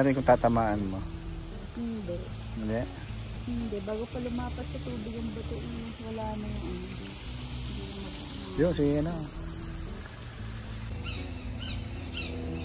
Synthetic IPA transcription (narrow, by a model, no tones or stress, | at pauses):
ɾɪnkʊŋt̪aːt̪ɐmaːʔanmo | nd̪ɛ | ɪnd̪ɛʔ | hɪnd̪ɛbaːɡopɐlʊmaːpɐt̪̚sɐt̪uːbɪɡʊŋbɐt̪oʔ | wɐlaːnɐʔan | joŋsɪɐna